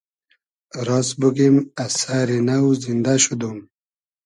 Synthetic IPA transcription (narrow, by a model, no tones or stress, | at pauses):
ɾɑsbuɡimasaɾinawzind̪aɕud̪um